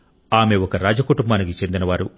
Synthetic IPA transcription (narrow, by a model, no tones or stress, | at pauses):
aːme̞ɔkɐɾaːd͡ʒɐkuʈumbaːnikit͡ʃe̞nd̪inɐʋaːɾu